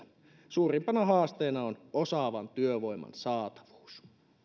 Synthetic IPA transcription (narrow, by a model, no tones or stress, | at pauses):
suːrimpɑnɑɦɑːst̪eːnɑonosɑʋɑnt̪yøʋo̞imɑ̰nsɑːt̪ɑ̥ʋu̥ːs